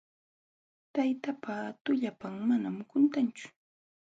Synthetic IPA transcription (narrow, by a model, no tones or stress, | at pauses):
t̪ajt̪apat̪ʊʎapaŋmanamkʊnt̪ant͡ʃʊ̥